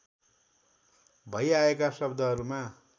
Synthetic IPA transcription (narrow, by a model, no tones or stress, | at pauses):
bʱʌjaekasʌbd̪ʱʌɦʌɾuma